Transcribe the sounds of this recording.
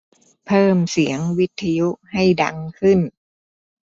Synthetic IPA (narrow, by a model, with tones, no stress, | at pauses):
pʰɤː˥˩msi˩˦əŋwi˦˥t̪ʰːa˧ju˦˥ha˥˩jda̰˧˥ŋkʰɯ˥˩n